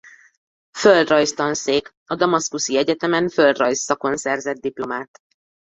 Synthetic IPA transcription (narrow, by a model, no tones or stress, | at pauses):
føld̪rɒjst̪ɒnseːk | ɒd̪ɒmɒskusiɛɟɛt̪ɛmɛnføld̪rɒjsːɒko̞nsɛrzɛd̪̚d̪iplo̞maːt̪